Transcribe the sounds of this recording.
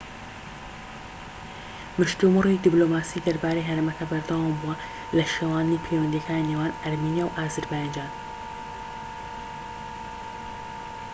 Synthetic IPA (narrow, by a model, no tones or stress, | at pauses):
mɨʃt̪umɨred̪ibloːmaːsiːd̪ɐɾbaːɾejɦɐɾeːmɐkɐbɐɾd̪awambuwɐ | lɐʃewaːnnipʰejwɐnd̪ijɛkʰaːninewaːnɐɾmiːnijawʔaːzɨɾbajnd͡ʒaːn